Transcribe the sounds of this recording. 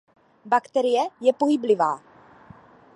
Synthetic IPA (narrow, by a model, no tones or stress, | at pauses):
bakt̪ɛɾɪjɛjɛpojiblɪvaː